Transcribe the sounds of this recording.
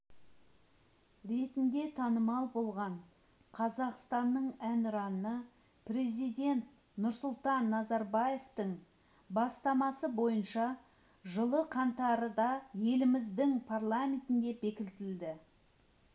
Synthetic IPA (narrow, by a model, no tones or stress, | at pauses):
ɾe̞t̪ɪnd̪e̞t̪ʰɑnəmɑlˠbo̞lˠʁɑɴ | qʰɑzɑqst̪ɑnːəɴænɾɑnə | pre̞zijd̪ʲe̞nt̪ | nʊɾsʊlˠt̪ɑnːɑzɑɾbaje̞ft̪əɴ | bɑst̪ɑmɑsəbo̞jənʃɑ | ʒəlˠəqʰɑnt̪ɑɾəd̪ɑje̞lɪmɪzd̪ɪŋpʰarlˠamʲe̞nt̪ɪnd̪e̞be̞kʲɪlt̪ɪld̪ɪ